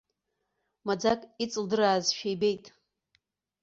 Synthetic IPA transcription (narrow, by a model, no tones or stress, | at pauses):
mad͡zakʼit͡sʼɨldɨɾaːzʃejbe̞jtʼ